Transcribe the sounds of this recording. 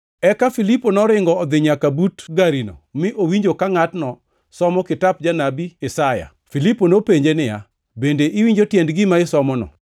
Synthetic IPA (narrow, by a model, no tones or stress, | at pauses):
ɛkafiliponɔɾɪŋɡɔːd̪ɪɲakabutɡaɾino̰mɪʔowiɲd͡ʒokaŋatnɔ | sɔmɔkɪtap̚d͡ʒanabiɛsaja̰ | filiponopeɲd͡ʒenɪja̰ | bendeʔɪwiɲd͡ʒotjɛndɡɪmaɪsɔmɔnɔ̰